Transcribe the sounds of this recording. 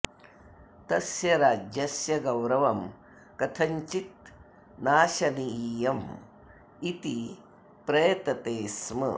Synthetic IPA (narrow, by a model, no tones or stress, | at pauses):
t̪ɐsjɐɾaːd͡ʒjɐsjɐɡɐwɾɐʋɐm | kɐt̪ʰɐɲt͡ʃit̪̚ | naːʃɐniijɐm | it̪i | pɾɐjɐt̪ɐt̪eːsmɐ̰